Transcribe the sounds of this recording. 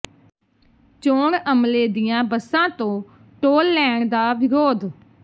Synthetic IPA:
t͡ʃõːɾəmleːd̪ɪjãːbəsãːt̪õː | ʈoːlːɛːɳ̃d̪aːʋɪɾoːd̪

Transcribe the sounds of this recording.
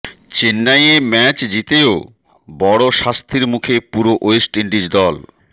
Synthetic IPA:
t͡ɕenːajemɛt͡ɕd͡ʑit̪eo | bɔɽoʃast̪ʰiɾmukʰepuɾoʔojsʈiɳɖid͡ʑd̪ɔl

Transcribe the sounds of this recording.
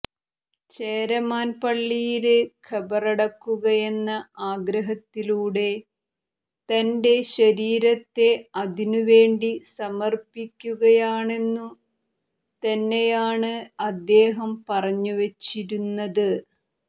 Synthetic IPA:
t͡ɕe̞ːɾɐmaːnpɐɭːijilɨkʰɐbɐrɐɽɐkːuɣɐje̞nːɐaːɡɾɐɦɐt̪ːiluːɽe̞ | t̪ɐnde̞ɕɐɾiːɾɐt̪ːe̞ɐðinuʋe̞ːɳɖisɐmɐrpikʲːuɣɐjaːɳe̞nːu | t̪ɐnːejaːɳɨɐd̪ːe̞ːɦɐmpɐrɐɲːuʋɐt͡ɕːiɾunːɐðɨ

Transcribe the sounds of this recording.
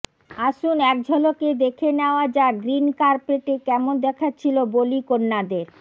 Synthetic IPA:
aʃunɛk̚d͡ʑʱɔloked̪ekʰenɛoad͡ʑaɡɾinkaɾpeʈekɛmond̪ɛkʰat͡ɕʰilobolikonːad̪eɾ

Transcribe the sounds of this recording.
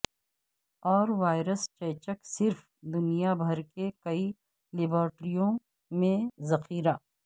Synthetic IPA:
ɔːɾʋaːɪɾəst͡ʃɛːt͡ʃəksɪɾf | d̪ʊnijabʱɐɾkekɐi | lɪbəːɾʈɾijõ | mẽzɐxiːɾaː

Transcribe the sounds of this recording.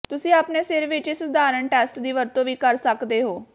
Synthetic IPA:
t̪ʊsĩːaːpneːsɪɾʋɪt͡ʃɪsd̪aːɾəɳʈɛːsʈd̪iːʋəɾt̪õːʋiːkəɾsəkd̪eːɦoː

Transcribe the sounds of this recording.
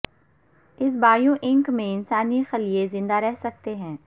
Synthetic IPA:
ɪsbaːjõʔɪ̃ŋkmẽɪnsaːnixɐliezɪ̃nd̪aɾɛɦsɐk̚t̪eɦɛ̃ː

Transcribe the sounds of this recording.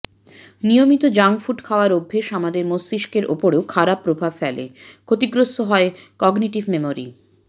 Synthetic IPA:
nijomit̪od͡ʑaŋfuʈkʰaoaɾobʱːeʃamad̪eɾmosiʃkeɾʔo̰poɾeokʰaɾapːɾobʱabfɛlḛkʰot̪iɡɾost̪oɦɔekɔɡniʈibmemoɾḭ

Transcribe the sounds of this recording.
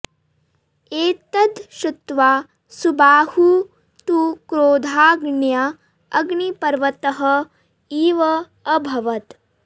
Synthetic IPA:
eːt̪ɐd̪ʃut̪ʋaː | subaːhu | t̪ukɾoːd̪ʱaːɡɳja | ɐɡɳipɐɾʋɐt̪ɐɦɐ | iːʋɐː | bʱɐʋɐt̪

